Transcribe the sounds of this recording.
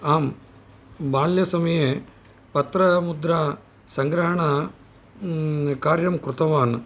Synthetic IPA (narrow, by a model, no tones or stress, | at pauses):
aːm | baːljɐsɐmɐje | pɐt̪ɾɐmud̪ɾaː | sɐŋɡɾaːɳɐ | kaːɾjɐmkɾut̪ɐʋaːn